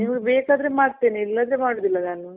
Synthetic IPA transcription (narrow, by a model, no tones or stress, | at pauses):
niːmɐɡebeːkaːd̪ɾemaːɖt̪eːniilːɐd̪ɾemaːɽoːd̪ilːɐnaːnu